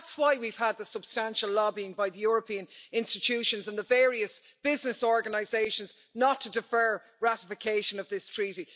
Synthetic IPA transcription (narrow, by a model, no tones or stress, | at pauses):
ðatswaɪwiv̥əd̪̚ðəsəb̥stãnʃəlɔbiɪ̃ŋbaɪðəjɔːɹəpʰĩə̃nɪ̃nstɪtʰʉʃə̃nzə̃nðəvɛːɹiəs | b̥ɪznɪsɔɹɡənaɪzeɪʃə̃nz | nətʰədɪfɜ˞ | ɹæɾɪfɪkʰeɪʃə̃nʌvðɪstʰɹ̥iɾi